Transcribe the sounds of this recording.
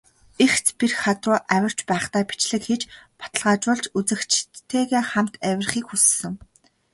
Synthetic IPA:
ext͡spirχat̪rʊːʔæwʲɪ̆r̥t͡ɕpæːχt̪aːpi̥t͡ɕɮɘ̆kxet͡ɕpɔ̥t̪ə̆ɮʁaːt͡ɕʊːɮt͡ɕut͡sɘ̆kt͡ɕʰt̪ʰːeːɣeːχam̥t̪æwʲɪ̆rχiːkxussɘ̆ŋ

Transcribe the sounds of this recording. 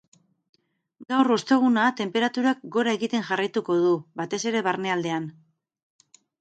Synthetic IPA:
ɡawrost̪e̞ɣ̞unat̪e̞mpe̞ɾat̪uɾak̚ɡo̞ɾae̞ɣit̪e̞nʝarajt̪uko̞ðubat̪e̞se̞ɾe̞βarne̞ald̪e̞an

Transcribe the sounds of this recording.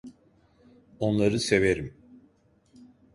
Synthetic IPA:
o̞nlˠaɾɯse̞ve̞ɾim

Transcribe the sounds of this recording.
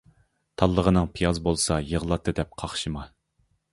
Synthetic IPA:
t̪ʰɑlˠːəʁənɨŋpʰijɑzbolˠsɑjəʁlˠɑt̪ʰːɨd̪ɛp̚qʰɑχʃɨmɑ

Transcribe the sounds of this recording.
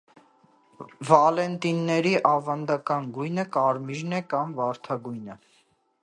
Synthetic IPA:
vɑlɛnt̪inːɛɾiʔɑvɑnd̪ɑkɑnɡujnəkɑɾmiʒnɛkɑmvɑɾt̪ʰɑɡujnə

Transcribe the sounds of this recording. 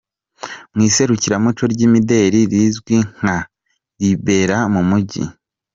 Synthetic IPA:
mŋiːse̞ɾuciɾamut͡ʃoɾɟiːmide̞ɾiɾizɡwiŋ̥a | ɾibe̞ːɾamumuɟḭ

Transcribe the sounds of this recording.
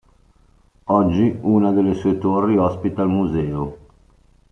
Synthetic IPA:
ɔd͡ʒːiuːnad̪elːesuet̪orːiɔspit̪almuzɛːo

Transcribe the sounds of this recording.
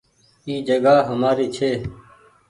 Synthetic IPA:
iːd͡ʒəɡaːɦəmaːɾiːt͡ʃʰeː

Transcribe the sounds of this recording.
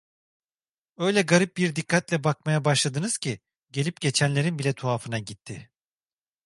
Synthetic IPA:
ø̞jlʲɛɡaɾip̚biɾd̪ikʰːat̪lʲɛbak̚majabaʃlˠad̪ɯnɯz̥cʰi | ɟe̞lʲip̚ɟ̥e̞t͡ʃʰænlʲe̞ɾinbilʲɛt̪ʰuafɯnaɟit̪ʰːɪ

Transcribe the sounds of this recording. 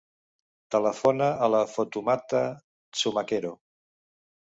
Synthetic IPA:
t̪ələfonəələfut̪umat̪ə | suməkeɾo

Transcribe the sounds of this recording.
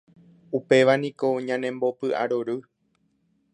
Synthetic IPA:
upe̞ʋanĩko̞ɲãnẽ̞mbo̞pɨʔa̰ɾoɾɨ

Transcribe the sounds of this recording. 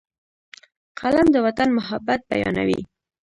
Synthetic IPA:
qʰalamd̪əwat̪anmʊɦabːat̪̚ba̰jɑ̰na̰wḭ

